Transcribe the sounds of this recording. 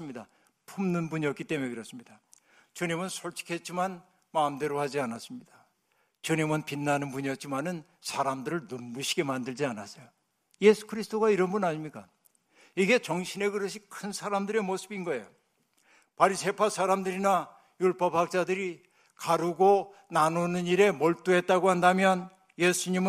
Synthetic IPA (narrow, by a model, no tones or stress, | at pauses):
ɯmɲida | pʰumnɯnbuɲiʌk͈it͈e̞muneɡɯɾʌs͈ɯmɲida | t͡ɕuɲimɯnsʰoɭt͡ɕʰi̥kʰet̚t͡ɕ͈iman | mamde̞ɾohad͡ʑianas͈ɯmɲid̥a | t͡ɕuɲimɯnpinːanɯnbuɲiʌt̚t͡ɕ͈imanɯn | sʰaɾamdɯɾɯɭnumbuɕʰiɡe̞mandɯɭd͡ʑianas͈ʌjo | je̞sʰu̥kʰɯɾisʰt͈oɡaiɾʌnbunaɲimɲik͈a | iɡe̞t͡ɕʌŋɕʰine̞ɡɯɾʌɕʰikʰɯnsʰaɾamdɯɾe̞mosʰɯbinɡʌe̞jo | paɾisʰe̞pʰasʰaɾamdɯɾina | juɭp͈ʌphak̚t͡ɕ͈adɯɾi | kaɾuɡonanonɯniɾe̞mʌɭt͈uɦe̞t̚t͈aɡohandamjʌn | jesʰuɲimɯ